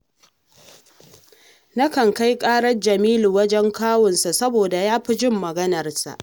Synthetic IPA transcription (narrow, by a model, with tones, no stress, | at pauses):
na˦kɐ˨ŋka˦jkʼaː˦ɽɐ˦rd͡ʒɐ˨miː˦lu˨wɐ˦d͡ʒɛ˦ŋkʰaː˦wɪ˨nsa˨sɐ˦boː˨da˨jaː˦ɸi˦d͡ʒɪ˦mːɐ˨ɡɐ˦nɐ˨rsa̰˨ʔ